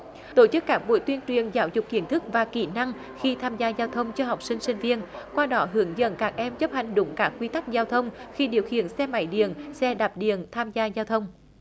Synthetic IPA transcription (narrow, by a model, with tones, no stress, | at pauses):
t̪o˧˩t͡ɕɨ˦˥kːaː˦˥k̚ɓṵ˧˨˦jt̪wi˧ənt͡ɕwi˨˩ənzaː˨˦wzʊ˨˩k͡p̚kːi˧˦ənt̪ʰɨ˦˥k̚vaː˨˩kḭ˧˩na˧ŋ | xi˧t̪ʰaː˧mzaː˧zaː˧wt̪ʰə˧wŋ͡mt͡ɕɔ˧ɦa˨˩wk͡p̚sï˧ŋ̟sï˧ŋ̟vi˧ənkwaː˧ɗɔ˨˦ɦɨ˨˩˦əŋzə̰˧˥nkaː˦˥k̚ʔɛ˧mt͡ɕə˦˥p̚ha˨˩jŋ̟ɗʊ̰˨˦ŋ͡mkaː˦˥k̚ːwi˧t̪a˦˥k̚zaː˧wt̪ʰə˧wŋ͡mxi˧ɗḭ˨˩əwxḭ˧˨ənsɛ˧ma̰˧˩jɗḭ˧˨ənsɛ˧ɗa˨˩p̚ɗḭ˧˨ənt̪ʰaː˧mzaː˧zaː˧wt̪ʰə˧wŋ͡m